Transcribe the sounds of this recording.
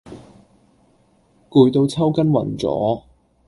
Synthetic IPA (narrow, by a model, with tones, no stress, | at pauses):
kuː˨˧jt̪o˧wt͡sʰɐ˥wkɐ˥nwɐ̰˨˩nt͡sɔ̰ː˨˥